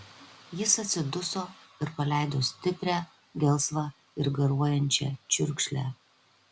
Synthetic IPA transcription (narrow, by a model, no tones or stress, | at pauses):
jɪsɐt̪ʲsʲɪd̪ʊsoːɪɾpɐlʲæˑɪd̪oːsʲt̪ʲɪpʲɾʲæː | ɡʲɛlˠsʋɑ | ɪɾɡɐɾuɔjɛnʲt͡ʃʲɛ̰t͡ʃʲʊɾʲˑkʃʲlʲæ̰